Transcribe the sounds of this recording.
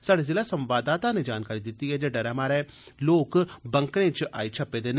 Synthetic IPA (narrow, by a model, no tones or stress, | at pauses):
saːɽezeːlasə̃mʋaːd̪aːt̪aned͡ʒaːnkaːɾid̪ɪt̪ːiɦɛːd͡ʒeːɖəɾaːmaːɾɛː | loːkbə̃ŋkɾẽːt͡ʃʔa̰ːit͡ʃʰəpːeːd̪eːn